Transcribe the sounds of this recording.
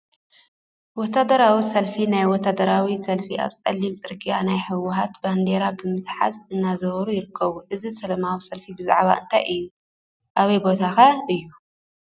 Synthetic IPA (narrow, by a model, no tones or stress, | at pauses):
wɔt̪ad̪ɐɾawisɐlfinajwɔt̪ʰːad̪ɐɾawisɐlfiʔa̰βt͡sʼɐ̰lːimt͡sʼɨɾkʼijanajħɨwʊɦat̪band̪eɾabɨmɨt̪ħa̰zɨnːazɐβɐɾujɪɾɨkʰːɐβuʔɨzisɐlɐmawisɐlfibɨza̰ʕβa̰ʔɨ̰nt̪ʰajʔɨjːu | ʔaβɐjbo̞t̪ʰakaɨjːu